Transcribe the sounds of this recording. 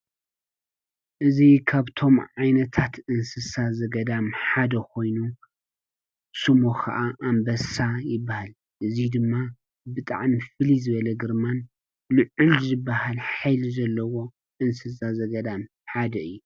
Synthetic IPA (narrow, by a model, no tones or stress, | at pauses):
ʔɨzikʰaβt̪ʰo̞mʕajnɐt̪ʰat̪ɨnsɨsazɐɡɐd̪amħad̪ɐkʰo̞jnu | sɨmo̞kʰɐ̰ʔaʔambɐsajɪbːahal | ʔɨzid̪ɨmːa | bɨt̪ʼa̰ʕmifɨlizɨβɐlɐɡɨɾman | lɨʕʊlzɨbːahalħajlizɐlːɐwo̞ | ʔɨnsɨsazɐɡɐd̪am | ħad̪ɐɨjːu